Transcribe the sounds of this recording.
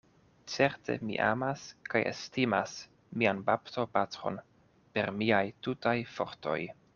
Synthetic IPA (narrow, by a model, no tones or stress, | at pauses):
t͡se̞ɾte̞̰mḭʔa̰maskajʔḛstimas | mianbapto̞patɾo̞̰n | pe̞ɾmiajtutajfo̞̰ɾto̞̰j